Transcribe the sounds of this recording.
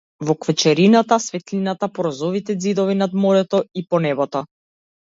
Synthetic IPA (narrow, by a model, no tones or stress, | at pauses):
vɔkvət͡ʃɛɾinat̪asvɛt̪linat̪apɔɾɔzɔvit̪ɛd̪zid̪ɔvinad̪mɔɾɛt̪ɔipɔnɛbɔt̪ɔ